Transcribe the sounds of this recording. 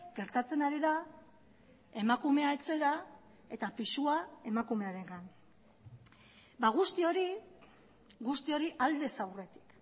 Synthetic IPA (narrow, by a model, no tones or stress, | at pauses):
ɡ̥e̞ɾt̪at͡se̞naɾiða | e̞makume̞ae̞t͡se̞ɾa | e̞t̪apisuae̞makume̞aɾe̞ŋɡan | baɣ̞ust̪io̞ɾi | ɣust̪io̞ɾiʔald̪e̞sawre̞t̪i̥k